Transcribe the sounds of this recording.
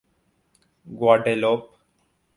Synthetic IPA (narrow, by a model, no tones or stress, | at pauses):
ɡwaːɖeloːp